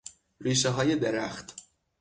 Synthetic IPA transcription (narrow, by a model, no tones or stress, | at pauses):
ɾiːʃeɦɒːje̞d̪eɾæxt̪